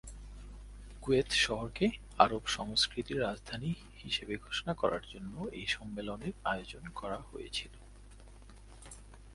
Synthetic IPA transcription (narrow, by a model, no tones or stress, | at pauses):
kuet̪ʃɔɦoɾke | aɾobʃɔŋskɾit̪iɾːad͡ʑd̪ʱani | hiʃebeɡʱoʃonakɔɾa̰ɾd͡ʑonːoḛjʃɔmːeloneɾaeod͡ʑonkɔɾahojḛt͡ɕʰilo